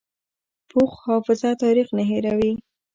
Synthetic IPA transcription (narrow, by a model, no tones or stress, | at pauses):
pʰuxhɑfɪzat̪ɑɾixnaɦeɾawi